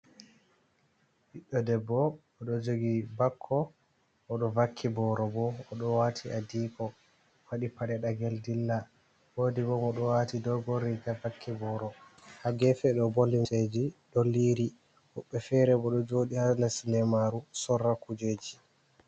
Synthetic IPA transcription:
hiɗːɔdɛbːɔ | ɔɗɔd͡ʒoɡibakʰːɔ | ʔɔɗɔvakʰːibɔɾɔbɔɔɗɔwatʰiʔadiːkʰɔ | waɗipaɗɛɗaɡɛldilːa | woːdibɔmɔɗɔwatidɔɡoɾːiɡavakʰːibɔɾɔhaɡɛfɛɗɔbolːimsed͡ʒiɗolːiɾi | hɔɓːɛfɛɾɛbɔɗɔd͡ʒoːɗihanasnɛmaɾusɔrːakud͡ʒeːd͡ʒi

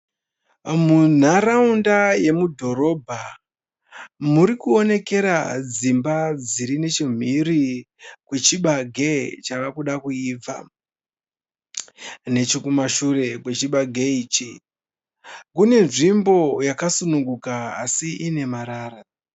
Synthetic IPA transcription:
mun̤aɾaundaje̞mudʱo̞ɾo̞bʱa | muɾikuo̞ne̞ke̞ɾad͡zimbad͡ziɾine̞t͡ʃim̤iri | kwe̞t͡ʃiɓaɡʱe̞t͡ʃaʋakuɗakuiːb͡va̰ | ne̞t͡ʃikumaʃure̞kwe̞t͡ʃiɓaɡʱeiːt͡ʃi | kune̞nʐimbo̞jakasunuŋɡukaːsiʔine̞maɾaːɾa

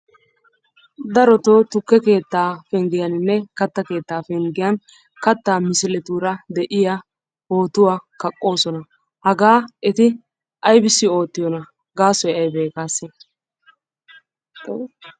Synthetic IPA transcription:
d̪ɐɾɔt̪oːt̪ʊkːɛke̞ːt̪ːaːfɛŋɡɪjɐnɪnːɛkɐt̪ːɐke̞ːt̪ːaːfɛŋɡɪjɐn | kɐt̪ːaːmɪsɪlɛt̪uːɾɐd̪ɛʔɪja | ho̞ːt̪ʊwaːkɐkʼːo̞ːsɔnɐ | hɐɡaːɛt̪ɪ | ʔɐjbɪsːɪo̞ːt̪ːɪjɔnɐ | ɡaːsɔjɛɐjbeːkaːsɛ

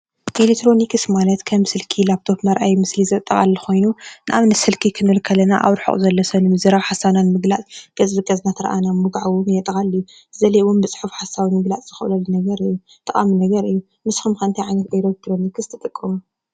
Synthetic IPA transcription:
ʔelit̪ʰɾo̞nikʰɨsmalɐt̪kʰɐmsɨlkʰilapt̪ʰo̞pmɐɾʔajmɨslizɐt̪ʼːɐɣʼa̰lːɐxo̞jnunɨʔaβnɐsɨlkʰikʰɨnɨlkʰɐlːɐnaʔa̰wɾħṵʔʼzɐlːɐsɐnɨmɨzɨɾaβħasananmɨɡlat͡sʼɡ̥ɐzbɨɡʼɐznat̪ʰɨɾɐʔanamɨɡʕawumjɛt̪ʼɐɣʼalːɨju | zɐlewunbɨt͡sʼħufħasawimɨɡlat͡sʼz̥ɨxɨʔlɐlːunɐɡɐɾɨjːu | t̪ʼɐkʼa̰minɐɡɐɾɨjːu | mɨsxumkɐnt̪ʰɐjʕajnɐt̪̚ɡʼojɾot̪ːɾonikɨst̪ʰɨt̪ʼɨkʼːɐmu

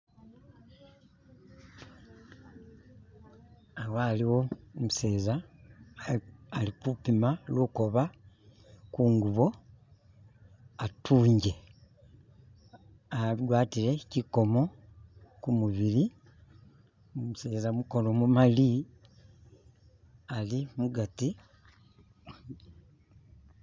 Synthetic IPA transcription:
awaliwo̞muse̞ːza | likupimaluko̞βa | kuŋɡuβo̞ | atʰuːɲɟe̞ | adwaːtile̞ciko̞mo̞ | kumuβili | muse̞ːzamuko̞no̞mumali | alimuɡati

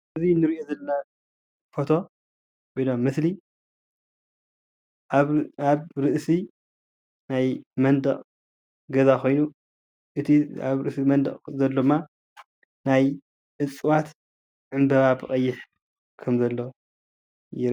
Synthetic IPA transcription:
ʔɨzinɨɾiʔozɐlɐna | fo̞t̪ʰo̞ | kojdomːɨsli | aβɾɨʔsi | najmɐnd̪ɐχʼ | ɡɐzakʰo̞jnu | ʔɨt̪ʰia̰βɾɨʔsimɐnd̪ɐ̰χʼzɐlːomːa | naj | ʔɨt͡sʼːɨwat̪ | ʕɨmbɐβabɨkʼɐjːɪħ | kʰɐmzɐlːo | jɪɾ

